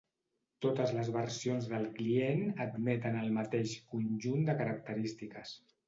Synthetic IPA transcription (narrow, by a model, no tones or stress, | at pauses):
t̪ot̪əzləzβəɾsionzðəlˠklienəd̪mɛt̪ənəlˠmət̪eʃkunʲʒund̪əkəɾək̚t̪əɾist̪ikəs